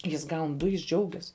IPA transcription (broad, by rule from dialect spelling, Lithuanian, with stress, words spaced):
ˈjɪs ˈɡɐʊn ˈdʊ jɪs ˈd͡ʒʲɛʊɡʲɛs